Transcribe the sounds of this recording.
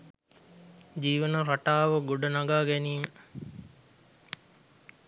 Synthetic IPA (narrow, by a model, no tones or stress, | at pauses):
d͡ʒiːʋənəɾaʈaːʋəɡoɖənɐɡaːɡæniːmə